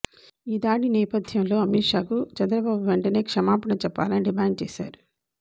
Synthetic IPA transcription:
iːd̪aːɽinɛːpɐd̪ʱjɐmlo̞ːɐmiʈʂaːkut͡ʃɐnd̪ɾɐbaːbuʋeɳʈɐne̞ːkʂɐmaːpɐɳɐt͡ʃɛpːa̰ːlɐniɖimaːɳɖ̚t͡ʃeːsa̰ːɾu

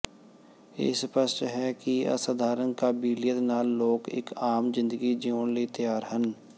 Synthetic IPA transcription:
ḛːspəst͡ʃɦɛkiə̰səd̪ʱaːɾənkabiːlɪjət̪naːlːoːkɪ̰kaːmzɪ̃nd̪əɡid͡ʒioʊnlit̪əjaːɾɦən

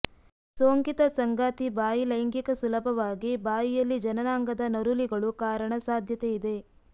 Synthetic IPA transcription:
soːŋkit̪ɐsɐŋɡaːt̪ibaːjilɐjŋkikɐsulɐbʱɐʋaːɡibaːjijɐlːid͡ʒɐnɐnaːŋɡɐd̪ɐnɐɾuliɡɐɭukaːɾɐɳɐsaːd̪ʱjɐt̪eid̪e̞

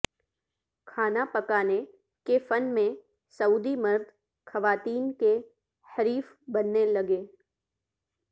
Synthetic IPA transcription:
kʰaːnapɐkaːne | kefɐnmẽ | sɐuːd̪imɐɾd̪ʱ | xɐʋaːt̪iːnke | hɐɾiːf | bɐnːelɐɡeː

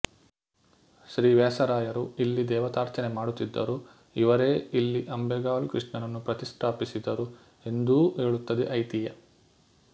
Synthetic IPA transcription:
ʃɾiːʋɛːsɐɾaːjɐɾuilːid̪ɛːʋɐt̪aːɾt͡ʃɐnemaːɽut̪ːid̪ːɐ̰ɾu | iʋɐɾeːilːiʔɐmbɛɡaːlkɾiʂɳɐnɐnːupɾɐt̪ist̪ʰaːpisid̪ɐɾu | e̞nd̪uɦeːɭut̪ːɐd̪eʔɐjt̪ijɐ

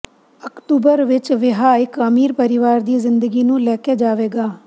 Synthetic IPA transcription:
əkʈuːbəɾʋɪt͡ʃʋɪɦaːɪkəmiːɾpəɾɪʋaːɾd̪iːzɪnd̪əɡiːnũːlɛːkeːd͡ʒaːʋeːɡaː

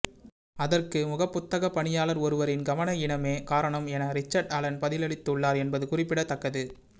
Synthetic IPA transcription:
ɐðɐrkɯmʊɣɐpːʊt̪ːɐɣɐpːɐɳɪjaːlɐɾɔɾɯʋɐɾɪnɡɐʋɐnɐɪɳɐmeːkaːɾɐɳɐmɛnɐɾɪt͡ʃːɐɾɖɐlɐnpɐðɪlɐɭɪt̪ːʊɭːaːɾɛnbɐðɯkʊrɪpːɪɽɐt̪ːɐkːɐðɯ

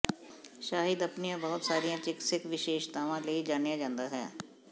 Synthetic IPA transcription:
ʃaːɦɪd̪ɐpnijãbɐɦʊt̪saːɾijãt͡ʃɪksɪkʋɪʃeːʃt̪aːʋãleːid͡ʒaːnjãd͡ʒãːnd̪aɦɛ̰ː

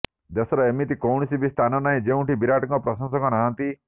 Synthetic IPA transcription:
d̪esɔɾɔemit̪ikɔwɳ̃isibist̪ʰanɔnaĩd͡ʒeũʈibiɾaʈɔŋkɔpɾɔsɔŋsɔŋkɔnaɦãnt̪i

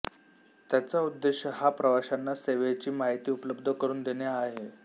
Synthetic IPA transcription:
t̪jat͡saud̪ːeɕjəɦapɾəʋaɕanːaseʋet͡ɕiːmaɦit̪iːupləbd̪ʱəkəɾuːnd̪enjaːɦe

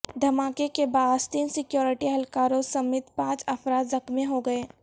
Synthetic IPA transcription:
d̪ʱɐmaːkekebaːdst̪iːnsɪkjoːɾɪʈiɦɐlkaːɾõsɐmɪt̪pãːt͡ʃɐfɾaːt̪zɐxmeɦoɡɐeː

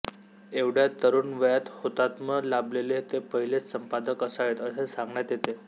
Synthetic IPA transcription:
eʋɽjat̪ːəɾuːnʋəjat̪hot̪at̪məlablelet̪epəɦilet͡ssəmpad̪əkəsaʋet̪əsesãŋɡɳjat̪jet̪e

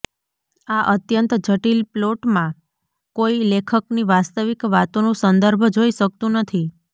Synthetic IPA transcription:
aʔət̪jənt̪d͡ʒəʈilploʈmã | koilekʰəkniʋast̪əʋikʋat̪onũsənd̪əɾbʱd͡ʒoiʃək̚t̪ũnət̪ʰi

